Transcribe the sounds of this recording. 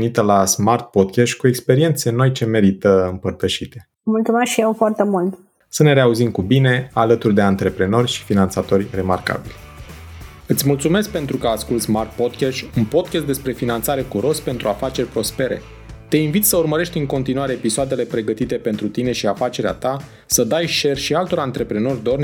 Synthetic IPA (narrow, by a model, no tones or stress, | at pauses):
nit̪əlasmart̪̚po̞d̪̚kʲeʃt̪ʲkue̞kspe̞ɾie̞nt̪se̞no̞jt͡ʃe̞me̞ɾit̪əɨmpərt̪əʃit̪e̞̥ | mult̪sumeskʃijewfoart̪emult̪ | səne̞ɾe̞auzimkubine̞alət̪urd̪e̞ant̪ɾe̞pɾe̞no̞rʲʃi̥finant̪sat̪o̞rʲre̞marka̰bilʲ | ɨt̪sʲmult̪sume̞sk̚pe̞nt̪ɾukəaskult̪sʲmark̚po̞d̪̚kʲeʃunpo̞d̪̚kʲest̪d̪e̞spɾe̞finant̪saɾe̞kuɾo̞spe̞nt̪ɾuafat͡ʃe̞rʲpɾo̞spe̞ɾe̞̰ | t̪e̞invit̪səurməɾe̞ʃt̪ʲɨŋko̞nt̪inuaɾe̞ːpisoad̪e̞le̞pɾe̞ɡət̪it̪e̞pe̞nt̪ɾut̪ine̞ʃiafat͡ʃe̞ɾea̰t̪a | səd̪ajʃe̞rʃialt̪o̞ɾant̪ɾe̞pɾe̞no̞rʲd̪o̞rnʲ